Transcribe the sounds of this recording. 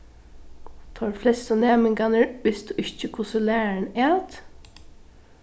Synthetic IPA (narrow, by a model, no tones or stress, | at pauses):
t̪ʰɔɹflɛst̪ənɛːmɪŋkanəɹʋɪst̪ʊʔɪçt͡ʃəkʰʊsəlæːnæːt̪